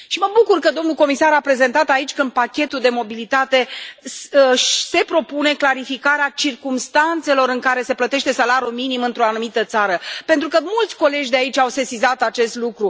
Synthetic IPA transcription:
ʃiməbukurkəd̪o̞mnuko̞misaɾapɾe̞ze̞nt̪at̪ait͡ʃʲkɨnd̪̚pakʲe̞t̪uld̪e̞mo̞bilit̪at̪e̞ | se̞pɾo̞pune̞klaɾifikaɾeat͡ʃirkumst̪ant̪se̞lo̞ɾɨŋkaɾe̞se̞plət̪e̞ʃt̪e̞salaɾʲjuminimɨnt̪ɾoanumit̪ət̪saɾəpe̞nt̪ɾukəmult̪sʲko̞le̞d͡ʒʲd̪eait͡ʃʲawse̞sizat̪at͡ʃe̞st̪lukɾu

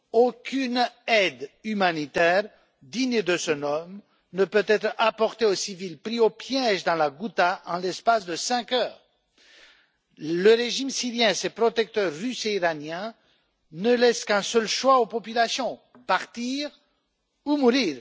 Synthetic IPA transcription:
okʲʰynɛd̪ymanit̪ɛʁ | d̪iɲd̪əsənɔm | nəpøt̪ɛt̪χapɔʁt̪eosivilpχiopjɛʒd̪ɑ̃laɡut̪aʔɑ̰̃lɛspasd̪əsɛ̃kœːʁ | ləʁeʒimsiʁjɛ̃esepχɔt̪ɛk̚t̪œʁːyseiʁanjɛ̃ | nəlɛskɛ̃sœlʃwaopɔpylasjɔ̃ | paʁt̪iʁ | umuʁiːʁ

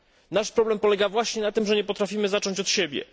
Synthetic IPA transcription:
naʂpɾɔblɛmpɔlɛɡavwaɕɲɛnat̪ɘmʐɛɲɛpɔt̪ɾafʲimɘzat͡ʂɔɲt͡ɕɔt̪ɕɛbʲjɛ̰

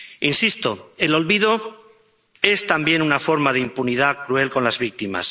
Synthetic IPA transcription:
insist̪o̞e̞lo̞lβið̞o̞ | e̞st̪ambje̞nunafo̞ɾmað̞eimpunið̞akɾue̞lko̞nlazβik̚t̪ima̰s

